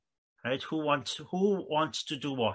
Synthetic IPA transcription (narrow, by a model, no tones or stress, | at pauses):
ɹaɪthuwɔ̃nthuwɒ̃ntstʰədəwɔ